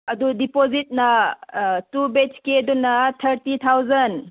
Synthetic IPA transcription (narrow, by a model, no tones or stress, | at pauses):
ɐdudipozit̚nɐ | tubet͡ʃkedunːɐt̪ʰɐɾtit̪ʰawzɐn